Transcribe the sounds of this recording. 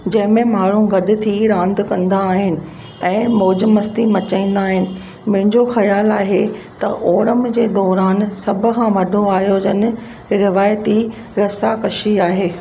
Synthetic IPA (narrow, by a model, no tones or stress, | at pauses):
d͡ʑɐ̃ɦɪ̃mẽmaːɽ̤ũɡɐɗɪ̆t̪ʰiɾãːnd̪kɐ̃nd̪aːɦɪnɪ̆ | ɛ̃ːmoːd͡ʑəmɐst̪imɐt͡ɕãĩːn̆d̪aːɦɪnɪ̆ | mʊ̃ɦɪ̃ɲd͡ʑoxɐjaːlaːɦet̪ɐ̰ʔoːɾəmd͡ʑeːd̪ɔːɾaːnsɐbʱʊkʰãʋɐɗʱoaːɦijod͡ʑɐn̆ | ɾɪʋaːjt̪i | ɾɐsakɐʃiaːɦeː